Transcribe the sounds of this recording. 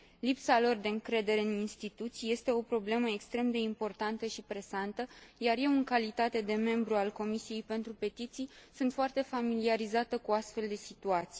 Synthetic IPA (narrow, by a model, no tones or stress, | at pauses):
lipsalo̞rd̪e̞ɨŋkɾe̞d̪e̞ɾeɨninst̪it̪ut̪sije̞st̪e̞o̞pɾo̞ble̞məekst̪ɾe̞md̪e̞impo̞rt̪ant̪əʃipɾe̞sant̪əjarje̞wɨŋkalit̪at̪e̞d̪e̞me̞mbɾualko̞misije̞jpe̞nt̪ɾupe̞t̪it̪sijsunt̪foart̪e̞familiaɾizat̪əkuast̪fe̞ld̪e̞sit̪uat̪si̥